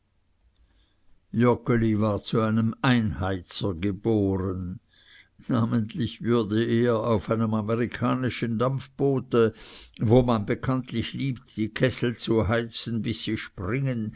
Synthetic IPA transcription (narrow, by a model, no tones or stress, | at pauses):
jɔkolivaːɐt͡suaɪnəmaɪnhaɪt͡sɐɡəboːʁən | naːməntlɪçvʏɐdəeːɐaʊfaɪnəmameʁikʰaːnɪʃəndamfb̥oːtəvoːmanbekʰantlɪçliːptd̥iːkʰɛsl̩t͡suɦaɪt͡sn̩bɪsːiːʃpʁɪŋən